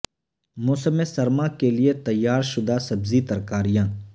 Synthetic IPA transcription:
mʊːsəmesɐɾmakelɪet̪ɐjːaːɾʃʊd̪ʱasɐbzit̪ɐɾkaːɾijãː

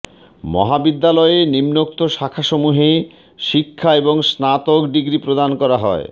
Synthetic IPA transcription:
mɔ̰ɦabid̪ːalɔeenimnok̚t̪oʃakʰaʃomuɦe | ʃikʰːaeboŋsnat̪okɖiɡɾipɾod̪ankɔɾaɦɔ̰ḛ

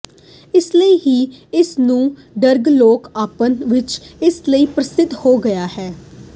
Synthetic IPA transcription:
ɪsləiːɦiːɪsnũː | ɖəɾɡloːkaːpənʋɪt͡ʃɪsləiːpɾəsɪd̪hoːɡəjaːhɛː

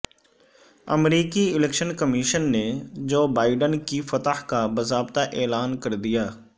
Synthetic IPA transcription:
ə̰mɾiːkiɪlɛkʃənkəmiːʃənːed͡ʒoːbaːɪɖənkifət̪əhkabəzaːbt̪aʔeːlaːnkəɾd̪ijaː

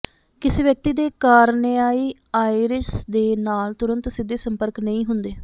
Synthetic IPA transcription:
kɪseːʋjək̚t̪iːd̪eːkaːɾneaːiː | aːiɾɪʃd̪eːnaːlt̪ʊɾənt̪sɪd̪ːeːsəmpəɾknəĩːɦʊnd̪eː

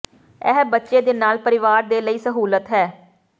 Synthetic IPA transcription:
ɛ̰ːɦbətːʃeːd̪eːnaːlpəɾɪʋaːɾd̪eːləiːsəɦuːlət̪ɦɛː

